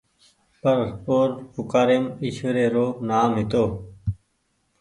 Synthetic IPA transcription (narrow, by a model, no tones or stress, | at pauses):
pəɾpoːɾpʊkaːɾemiɕʋəɾeːɾoːnaːmɦɪt̪oː